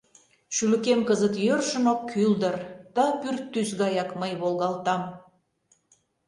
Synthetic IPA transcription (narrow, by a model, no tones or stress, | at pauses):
ʃylə̆kemkəzət̪jørʃə̆nokːʰyld̪ə̆rd̪̥ɑpyrt̪ːysɣɑjɑkməjβolˠɣɑlˠt̪ɑm